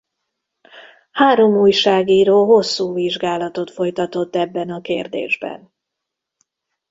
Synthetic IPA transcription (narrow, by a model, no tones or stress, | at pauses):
haːɾo̞muːjʃaːɡiːɾoːɦo̞sːuːviʒɡaːlɒt̪o̞t̪fo̞jt̪ɒt̪o̞t̪ːɛbːɛnɒkḛːrd̪ḛːʒbɛ̰n